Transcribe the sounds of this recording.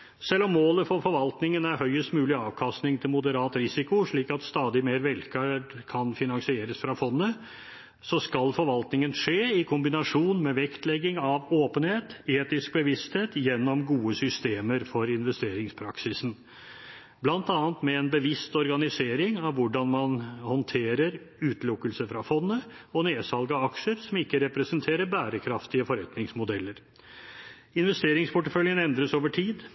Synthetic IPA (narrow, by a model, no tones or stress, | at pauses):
sɛlːɔmːoːləfɔɾfɔɾʋɑlt̪nɪŋənæɾɦœʏəst̪mʉːlɪɑːʋkʰɑst̪nɪŋt̪ʰɪlmʊd̪əɾɑːt̪ɾɪsɪkʊʂɭiːkɑt̪st̪ɑːd̪ɪmeːɾʋɛlkʰəɖkʰɑnfɪnɑŋsɪeːɾəsfɾɑfɔnːə | sɔskɑlfɔɾʋɑlt̪nɪŋənʂeːɪkʰʊmbɪnɑʂuːnmɛʋɛkt̪lɛɡːɪŋɑʋoːpənheːt̪eːt̪ɪsk̚bəʋɪst̪heːt̪jɛnːɔmɡuːəsʏst̪eːməɾfɔɾɪnʋɛst̪eːɾɪŋspʰɾɑ̰ksɪsn̩ | blɑnt̪ɑːnt̪mɛɛnbəʋɪst̪ɔɾɡɑnɪseːɾɪŋɑʋʋʊɖɑnmɑnhɔnt̪ʰeːɾəɾ | ʉːt̪lʊkːəlsəfɾɑfɔnːə | ɔneːsɑlɡəɑkʂəɾsɔmɪkːəɾɛpɾɛsənt̪ʰeːɾəɾbæːɾəkʰɾɑft̪ɪəfɔɾɛt̪nɪŋsmʊd̪ɛlːəɾ | ɪnʋɛst̪eːɾɪŋspʰʊʈəfœljənɛnd̪ɾəsoːʋəʈʰiːd̪